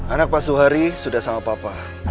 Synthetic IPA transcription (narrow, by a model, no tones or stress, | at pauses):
anak̚pasuɦaɾisudahsamapapa